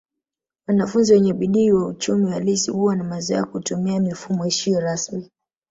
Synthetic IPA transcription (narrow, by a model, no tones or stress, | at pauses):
wanafunziwɛɲɛɓiɗiːwaut͡ʃumiwalisihuwanamaza̰kutumiamifumɔiʃiɔɾasmi